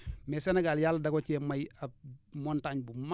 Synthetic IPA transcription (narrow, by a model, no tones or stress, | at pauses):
mesenaɡaljalːdaɡocemajamontaɲbuma